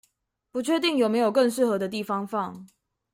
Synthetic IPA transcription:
pu˧˥t͡ɕʰɥɛ˥˧t̪i˥˩ŋjo˨˩ʊme˧˥ɪjo˨˩ʊkə˥˧ŋʂ̬ɻ̩˥˩xɤ˧˥d̪ə˧t̪i˥˨fɑ˥ŋfɑ˥˨ŋ

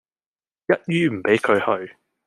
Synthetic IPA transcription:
jɐ˦˥t̚jyː˥m̩˨˩pe˨˥jkʰɵ˨˧ɥhɵ˧ɥ

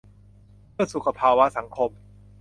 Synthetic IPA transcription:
mɯ˥˩əsu˨˩kʰːa˧pʰaː˧wa˦˥sa˩˦ŋkʰo˧m

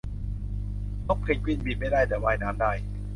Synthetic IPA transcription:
t̪o˦˥˩k̚pʰe˧˩kwi˧˥˩nmiː˧˩ma˥˩jdaː˥˩jt̪ɛː˨˩waː˧jnaː˦˥mdaː˥˩j

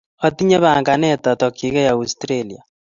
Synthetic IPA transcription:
ɔ˨t̪i˦ɲɛ˦βa˨ŋɡa˨nɛ˦˨ta˨tɔ˨ki˦ɣɛ˦ja˨u˨stɾe˦li˨a̰˨

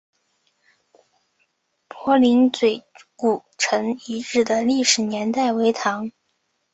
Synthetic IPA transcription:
pʰwɔ˧˥li˧˥nt͡swe˨˩ɪku˨˩ʈ͡ʂʰɤ˧˥ŋi˧˥ʈ͡ʂɻ̩˥˩d̪ə˩li˥˩ʂɻ̩˨˩njɛ˧˥nt̪a˥˩ɪwe˧˥ɪt̪ʰɑ˧˥ŋ

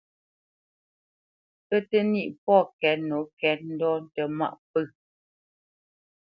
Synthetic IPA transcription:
ə˦tə˦ni˦˨ʔpɔ˦˨kɛ˨˦t̚no˨˦kɛ˨˦t̚n̩˦dɔ˦tə˨ma̰˦˨ʔpə˦˨

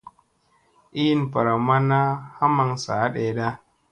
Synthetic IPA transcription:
ʔi˦npa˨ɾa˨ma˦na˦ha˦ma˨ŋsa̰˨˦ɗeː˨da˦

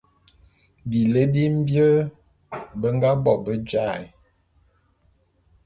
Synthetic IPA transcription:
bi˨lə˦bi˦m̩˦bjə˦ | bə˦ŋ˦ɡa˦bɔ˨bə˦d͡ʒa˦˨j

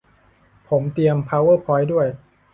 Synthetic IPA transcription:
pʰo˩˦mt̪i˧əmpʰaː˧˥wɤː˥˩pʰɔː˦˥jdu˥˩əj

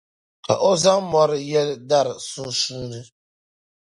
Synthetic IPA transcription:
ka̰˨ʔo˦za˦ŋmɔ˦ɾjɛ˦lda˦˨ɾsu˦su˦nɨ˦

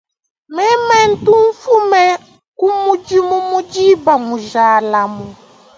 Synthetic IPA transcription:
mɛ˦mɛ˦n̩˦tu˦ɱ̩˦fu˦mɛ˦ | ku˦mu˦d͡ʒi˦mu˦mu˦d͡ʒi˦ba˨mu˨ʒa˨la˨mu˨

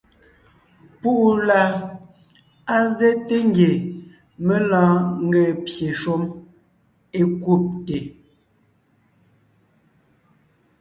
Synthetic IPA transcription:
pu˦ʔu˨la˨ | a˦ze˦te˦ŋ˦ɡje˨ | me˦lɔ̃ː˦ŋ̩˦ɡe˦˨pje˨ʃo˦m | e˦ku˦˨p̚te˨

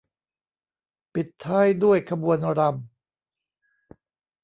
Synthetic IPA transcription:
pi˨˩t̪ʰːaː˥˩jdu˥˩əjkʰa˧bu˧ənɾa˧m

